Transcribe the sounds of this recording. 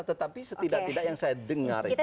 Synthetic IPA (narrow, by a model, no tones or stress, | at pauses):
t̪ət̪apisət̪idaʔt̪idaʔjaŋsajadəŋa̰r